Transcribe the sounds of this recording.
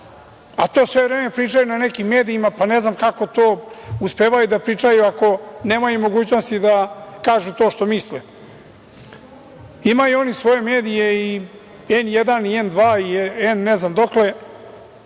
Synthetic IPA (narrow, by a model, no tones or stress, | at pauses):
at̪o̞ːsʋevɾeːme̞pɾiːt͡ʂajunane̞kimːe̞ːd̪iimapane̞znamkako̞t̪o̞ːuspeːʋajud̪apɾiːt͡ʂajuako̞ne̞ːmajumo̞ɡuːt͡ɕno̞st̪id̪akaːʒut̪o̞ːʃt̪o̞misle | imajuo̞nisʋo̞je̞me̞ːd̪ije̞i | enjed̪aniend̪ʋaːienːeznamd̪o̞kle̞